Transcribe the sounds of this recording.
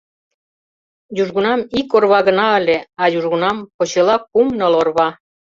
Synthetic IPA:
juʒɣunɑmikorβɑɣə̆nɑə̆lʲeɑjuʒɣunɑmpot͡ɕelɑkumnɤ̆lorβɑ

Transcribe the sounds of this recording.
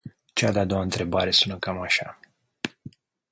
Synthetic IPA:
t͡ʃead̪at̪d̪owaɨnt̪ɾe̞baɾe̞sunəkamaʃa̰

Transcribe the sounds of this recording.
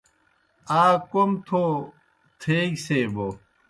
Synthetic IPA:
aːkomt̪ʰo | t̪ʰeːɡseːbo

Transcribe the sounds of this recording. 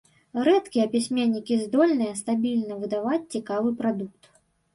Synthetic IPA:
ɾɛt̪kʲijɐpʲisʲmʲenʲːikʲizd̪ɔlʲnɨjɐst̪abʲilʲnɐvɨd̪avat͡sʲt͡sʲikavɨpɾad̪uk̚t̪

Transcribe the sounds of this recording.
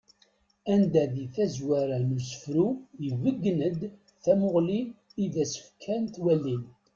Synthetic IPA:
ænd̪æðiθæzwæɾænəsə̥fɾujivəɡːnəd̪ | θæmʊʁliiðæsə̥fkʰːænt̪wælːin

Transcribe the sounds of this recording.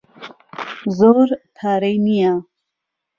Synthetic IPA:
zoːɾt̪ʰaːɾɛjnija

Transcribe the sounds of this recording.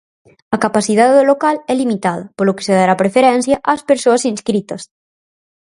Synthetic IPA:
ɐkapasiðaððolokalɛlimit̪að̞ɐpoloke̥seðaɾapɾefeɾɛnsjɐʔaspeɾsoɐsinskɾit̪ɐs

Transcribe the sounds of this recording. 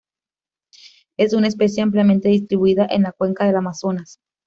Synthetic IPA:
e̞sunae̞spe̞s̬jeampljame̞nt̪e̞ðist̪ɾiβuiðaʔenlakwe̞ŋkaðe̞lamaso̞nas

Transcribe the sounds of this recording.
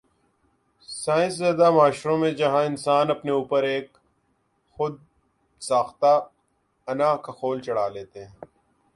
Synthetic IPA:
saːɪ̃nszeːd̪amaːʃɾõmẽd͡ʒɐɦãɪnsaːnɐpneuːpəɾeːk | xʊd̪̚ | saːxt̪a | ɐnaːkaxoːlt͡ʃɐɽaːleːt̪eɦɛ̃

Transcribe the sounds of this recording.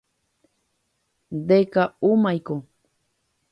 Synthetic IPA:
d̪ekaumajkoŋ

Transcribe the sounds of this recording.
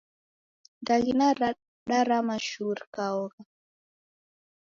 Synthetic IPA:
ndaɡinaɾa | ɗaɾamaʃuɾkaɔɣa

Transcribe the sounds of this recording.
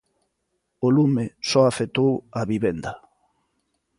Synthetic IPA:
olumesɔafet̪owaβiβend̪ɐ

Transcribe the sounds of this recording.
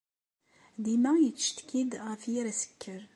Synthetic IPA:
d̪imæjət͡sːʃt̪kid̪ʁæfjiɾæsə̥kːəɾ

